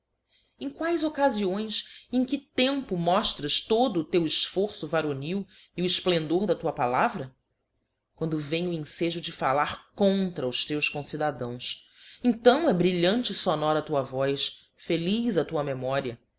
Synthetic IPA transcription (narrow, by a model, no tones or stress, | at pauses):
ẽj̃kwajzokaziõj̃sẽj̃kɪt̪ẽmpʊmɔʃt̪ɾɐʃt̪od̪ʊːt̪ewɪʃfoɾsʊvaɾoniw | iʊɪsplẽnd̪oɾd̪ɐt̪uɐpalavɾɐ | kwɐ̃nd̪ʊvẽjʊẽseʒʊd͡ʒɪfalaɾkõnt̪ɾɐʊst̪ewskõsid̪ad̪ɐ̃w̃s | ẽt̪ɐ̃w̃ɛbɾiʎɐ̃nt͡ʃɪsonɔɾɐt̪uɐvɔjs | felizɐt̪uɐmemɔɾiɐ